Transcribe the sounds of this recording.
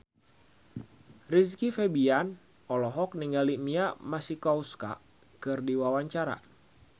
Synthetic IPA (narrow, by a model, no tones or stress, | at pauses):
riskifebian | ʔɔlɔɦɔk̚niŋɡalimiamasikɔuska̰ | kɨrdiwawaɲt͡ʃaɾa̰